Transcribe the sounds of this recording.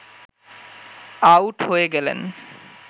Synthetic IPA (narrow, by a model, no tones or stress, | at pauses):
awʈhoeɡɛlḛn